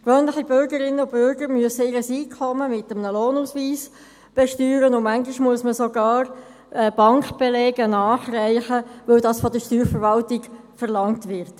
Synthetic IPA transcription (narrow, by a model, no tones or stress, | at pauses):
kʋœːnlɪχibʏɾɡəɾɪnːəʊb̥ʏɾɡəɾmyəsəɪɾəsiːkʰɔməmɪtəmnəloːnusʋiːs | b̥ɛʃtyːɾənʊmæŋɡɪʃmuəsməsoɡɑːr | ɛb̥ɑŋkb̥elɛːɡənɑːχræɪχəʋɵldɑːsfɔd̪əʃtyːɾfəɾʋɑltɪɡ | fəɾlɑŋtʋɪɾt